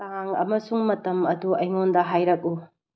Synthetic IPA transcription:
taŋɐ̰mɐsuŋmɐtɐmɐduɐjŋondɐɦajɾɐk̚u

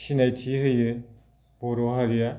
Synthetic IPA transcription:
sinajtʰiɦɯjɯ | b̥ɔɾɔɦaɾija

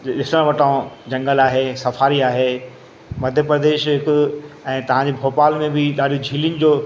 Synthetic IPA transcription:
ɗɪsɽ̃ə̃ʋɐʈãd͡ʑɐ̃ŋɡəlaːɦesɐfaːɾiaːɦe | mɐd̪ʱjəpɾɐd̪eːʃɦɪkʊɛ̃ːt̪ɐʋ̤ãɲd͡ʑebʱoːpaːlmẽbɪɗaːɗijũd͡ʑʱiːlijʊnɪ̆d͡ʑoː

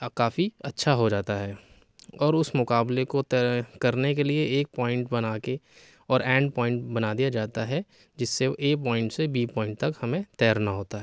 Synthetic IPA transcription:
kaːfiɐtːʃʰaɦod͡ʒaːt̪aɦɛː | ɔːɾʊsmʊkaːblekot̪kɐɾnekelieeːk̚pɔːɪ̃ɳʈbɐnaːke | ɔːɾɛ̃ːɳɖ̚pɔ̃ːɪ̃ɳʈbɐnad̪ijad͡ʒaːt̪aɦɛ | d͡ʒɪsːeeːpɔːɪ̃ɳʈsebiːpɔ̃ːɪ̃ɳʈ̚t̪ɐkhɐmẽt̪ɛːəɾnaɦoːt̪aɦɛː

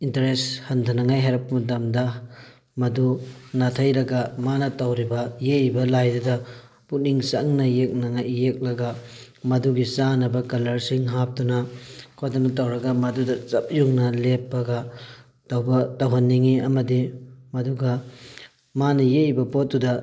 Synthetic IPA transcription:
intɐɾeshɐntʰɐnɐŋajɦaɾɐp̚ɐmɐt̬ɐmdɐ | mɐdunatʰɐjɾɐɡɐmanɐtɐwɾibɐjeibɐlajdudɐ | put̚niŋsɐŋnɐjek̚nɐŋajːek̚lɐɡɐ | mɐduɡisanɐbɐkɐlɐɾsiŋɦap̚tunɐkʰodɐnɐtɐwɾɐɡɐmɐdudɐt͡ʃɐp̚juŋnɐlepːɐɡɐ | tɐwbɐtɐwɦɐnːiŋiɐmɐdimɐduɡɐ | manɐjeibɐpot̚dudɐ

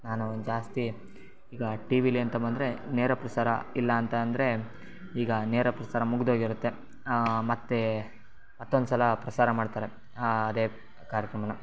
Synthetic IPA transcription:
naːnuond̪d͡ʒaːst̪i | iːɡɐʈiːʋiliɐnt̪ɐbɐnd̪ɐɾeneːɾɐpɾɐsaːɾɐ̰ilːɐːnt̪ɐɐnd̪ɐɾe̞ | iːɡɐneːɾɐpɾɐsaːɾɐmuɡd̪oːɡiɾut̪ːe̞ | mɐt̪ːe | mɐt̪ːond̪usɐlɐpɾɐsaːɾɐmaːɖt̪aːɾe̞ | ɐd̪eː | kaːɾjɐkɾɐmɐnɐ

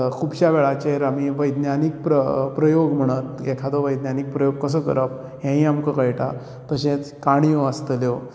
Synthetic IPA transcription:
kʰubɕjaʋeɭat͡ɕeeɾamiʋəjd̪njanik̚pɾəpɾəjoɡm̤əɽ̃ət̪ekʰad̪oʋəjd̪njanik̚pɾəjoɡ̚kəs̬əːkə̰ɾəp̚ | ɦɛ̃ɦĩamkəkəjʈa̰ | t̪əɕẽt͡skaɽ̃ijõəst̪əljo

